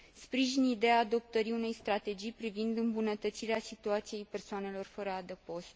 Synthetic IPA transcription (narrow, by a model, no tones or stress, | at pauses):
spɾiʒinid̪eaːd̪o̞p̚t̪əɾiune̞jst̪ɾat̪e̞d͡ʒijpɾivind̪ɨmbunət̪ət̪siɾeasit̪uat̪sije̞jpe̞rsoane̞lo̞rfəɾəad̪epo̞st̪